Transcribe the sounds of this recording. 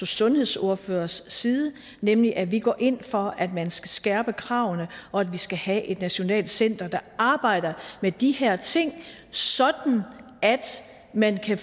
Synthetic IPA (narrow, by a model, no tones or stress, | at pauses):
osɔ̽nhe̝ð̰ˠso̝ɐføːɐsːiːð̞ˠə | nemliʔæʋiɡ̥ɒ̰ːʔe̝n̰fɒ̽æd̥mænsɡ̥æsɡ̥æɐb̥əkʰʁɑ̈ʊ̰nəɒ̽æd̥ʋisɡ̥æhæʔe̝d̥næɕo̝nɛ̰ːld̥sen̰d̥ɐd̥ɑ̈ɑ̈ːb̥ɑ̈ɪ̰d̥ɐmed̥ihæɐ̰t͡sʰe̝ŋ̰ | sɒ̽d̥n̩ | æd̥ | mænkʰæ